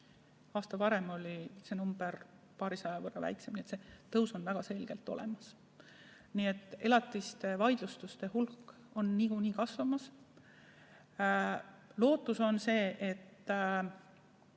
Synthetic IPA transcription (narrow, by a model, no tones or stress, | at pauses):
ɑːst̪ɑpɑɾe̞mo̞lʲise̞numb̥e̞r | pɑːɾisɑjɑvɤrːɑvæ̰jkse̞mniet̪se̞t̪ɤwso̞nvæɡ̥ɑse̞lɡ̥e̞lt̪ːˑo̞̰lemɑs | niːe̞t̪ːˑe̞lɑt̪ːˑist̪e̞vɑjd̪̥lust̪ust̪e̞hulkːˑ | o̞nːiɡ̥uniːkɑsvɑmɑs | lo̞ːt̪ːˑuso̞nse̞ːʔe̞t̪ː